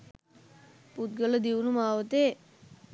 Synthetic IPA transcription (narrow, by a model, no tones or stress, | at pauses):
put̪̚ɡɐɭɐd̪iʋnumaːʋɐt̪ːeː